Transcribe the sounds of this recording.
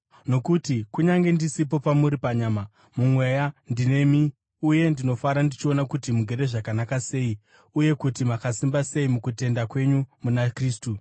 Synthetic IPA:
no̞kutikuɲaŋɡe̞ndisip̬o̞pamuɾipaɲaːma | mumwe̞jandine̞mi | uje̞ndino̞faɾandit͡ʃio̞nakutimuɡʱe̞ɾe̞ʐakanakase̞i | uje̞kutimakasimbase̞imukute̞ndakwe̞ɲumunakriːstu

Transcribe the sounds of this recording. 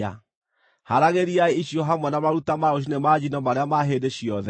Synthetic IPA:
a̰ | haɾaɣeɾiaeiɕjɔɦamwɛnamaɾutamaoɕ̬inemad͡ʑinɔmaɾeamaɦedeɕiɔðɛ

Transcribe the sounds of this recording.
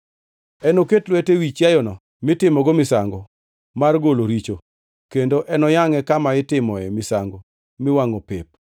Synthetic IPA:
ɛnoketlwetewit͡ʃjajɔnɔ | mɪtɪmɔɡomɪsaŋɡɔ | marɡoloɾit͡ʃo | kendoʔɛnɔjaŋɛkamaɪtɪmɔɛmɪsa̰ŋɡo | mɪwaŋɔpɪp̚

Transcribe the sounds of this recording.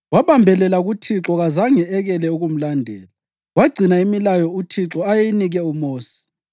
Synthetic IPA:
waβambʱɛlɛlaɣutʰiǁɔɣazaŋɛɛɣɛlɛuɣum̩landʱɛ̰ːla | waɡ͡ǀʱinaimilajɔutʰiǁɔajeiniɣɛumoːsi̥

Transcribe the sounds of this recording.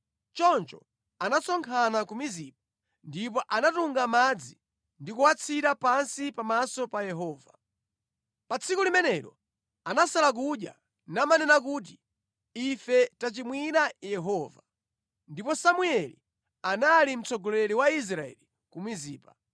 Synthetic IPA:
t͡ʃɔnt͡ʃɔ̰ | anasɔŋkʰanakumizip̚a | ndip̬ɔʔanatuŋɡamad͡zi | ndikuwat͡sʰitapansipamasɔpajɛɦɔːva | pat͡sʰikulimɛnɛɾɔ̰ | anasalak̬uɗja̰ | namanɛnak̬ut̬i | ifɛtat͡ʃimwinajɛɦɔva | ndipɔsamuɛlḭ | analim̩t͡sʰɔɡɔlɛliwais̬ɾaɛ̰li | kumiziːpa

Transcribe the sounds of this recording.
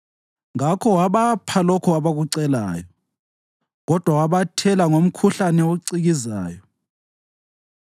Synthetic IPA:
ŋakʰɔwaβapʰalɔkʰɔaβaɣuǀɛla̰ːjɔ | ɣɔd̥ʱwawaβatʰɛlaŋom̩kʰuɬanɛoǀiɣiza̰ːjɔ

